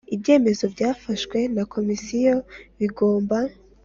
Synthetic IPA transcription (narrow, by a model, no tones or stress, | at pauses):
ibje̞ːme̞zo̞bɟaːfaʃkwe̞nakʰo̞misijo̞βiɡo̞ːmba